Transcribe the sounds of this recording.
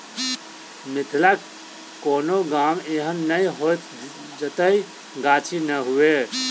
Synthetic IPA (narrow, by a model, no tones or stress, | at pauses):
mɪt̪ʰlak | koːnoɡaːmeːɦənːəĩɦot̪ | d͡ʒət̪əi | ɡaːt͡ʃʰinəɦue